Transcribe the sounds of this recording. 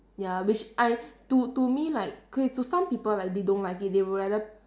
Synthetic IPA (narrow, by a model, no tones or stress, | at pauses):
jawit͡ʃʔaɪtutumilaɪk̚kɔtusãmpipəllajk̚dedõntlaɪkit̚dewəɹadə